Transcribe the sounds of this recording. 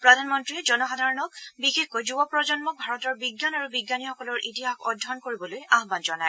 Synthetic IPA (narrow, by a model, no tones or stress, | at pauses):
pɹɔdʱanmɔntɹiɛd͡ʒɔnɔxadʱaɹɔnɔkbixexkojzubɔpɹɔd͡ʒɔnmɔk̚bʱaɹɔtɔɹbiɡːanaɹubiɡːanixɔkɔlɔɹʔitiɦaxɔdʱːɔnkoɹibɔlojaɦbanzɔnaj